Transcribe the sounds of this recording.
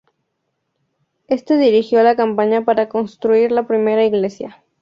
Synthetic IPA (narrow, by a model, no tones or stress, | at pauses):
e̞st̪eðiɾixjo̞lakampaɲapaɾako̞nst̪ɾuiɾlapɾime̞ɾaiɣle̞sja